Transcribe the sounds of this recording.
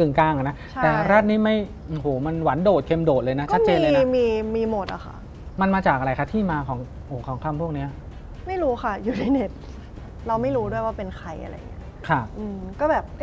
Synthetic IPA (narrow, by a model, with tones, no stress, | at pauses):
kɯ˨˩ŋkaː˧ŋʔa˨˩na˦˥t͡ɕa˦t̪ɛː˩˨˩ɾaː˥˩t̪̚niː˦˥˩ma˥˩j | ʔɯ˨˩hoː˩˦ma˧nwa˩˦ndoː˨˩t̪̚kʰe˧mdoː˨˩t̪̚lɤː˧na˦˥t͡ɕːa˦˥t̪̚ːt͡ɕeː˧llːn˦miː˧miː˧mo˨˩t̪̚ʔa̰˨˩xʰa̰˥˩ | ma˧nmaː˧t͡ɕaː˨˩k̚ʔa˧ɾa˧jkʰa˥˩t̪ʰiː˥˩maː˧kʰɔː˩˦ŋ | ʔoː˩˦kʰɔː˩˦ŋkʰa˧mpʰu˥˩ək̚ni˦˥ɐ | ma˥˩jɾuː˦˥xʰa˥˩juː˨˧t̪ʰi˥˩ne˦˥t̪̚ | ɾa˧wma˥˩jɾuː˦˥du˥˩əjwaː˥˩pe˧nkʰa˧jʔa̰˧ɾa̰˧j̰ŋi˦˥ɐ | kʰa˧˥˩ʔɯː˧kɔː˥˩bɛː˨˩p̚